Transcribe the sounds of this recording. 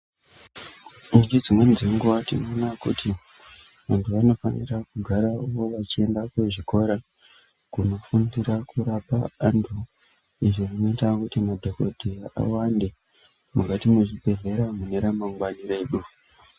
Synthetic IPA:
undid͡zimwenziŋɡuatino̞nakṵtʰi | ʋantʰuʋano̞fa̰nḭrakuɡʱaɾaʋo̞ʋat͡ʃie̞ndakweʐiko̞ɾa | kuno̞fundiɾakuɾapaantʰu | iʐirinoitakutimadʱoko̞dʱia̰wande̞ | mukatimuʐibʱe̞ɮe̞ɾamune̞ɾamaŋɡwanire̞ɗu

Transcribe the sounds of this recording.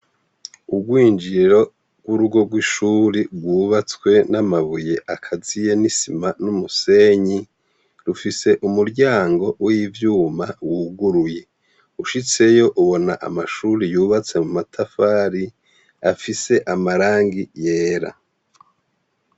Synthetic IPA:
ubɡwiːnd͡ʒiɾo̞ | ɡ̥wuɾuɡo̞ɡwiʃuɾibɡwuːβat͡swe̞namaβuje̞ʔakʰazije̞nisimanumuse̞ːɲi | ɾufise̞ʔumuɾɟaːŋɡo̞wiivjuːmawuɡuɾuje̞ | uʃit͡se̞jo̞ʔuβo̞naʔa̰maʃuɾijuːβat͡se̞mumatʰafaːɾi | afise̞ʔamaɾaːŋɡijeːɾa̰

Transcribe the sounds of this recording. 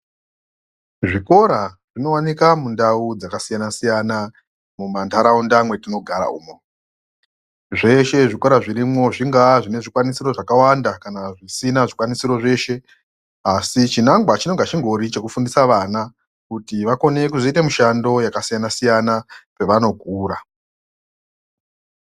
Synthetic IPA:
ʐiko̞ɾaʐ̥ino̞wanikamundaud͡zakasijanasijana | mumantʰaɾaundamwe̞tino̞ɡʱaɾa̰uːmo | ʐe̞ʃe̞ʐiko̞ɾaʐiɾimwo̞ʐiŋɡaʐine̞ʐikwanisiɾo̞ʐakawandakanaʐisinaʐikwanisiɾo̞ʐe̞ːʃe̞ | asit͡ʃinaŋɡwat͡ʃino̞ŋɡat͡ʃiŋɡʱo̞ɾit͡ʃe̞kufundisaʋaːna | kutiʋako̞ne̞kuzoite̞miʃando̞jakasijanasijanape̞ʋano̞kuːɾa

